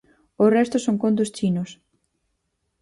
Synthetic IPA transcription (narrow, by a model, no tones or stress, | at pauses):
ʊrɛst̪ʊsoŋkond̪ʊst͡ʃinʊs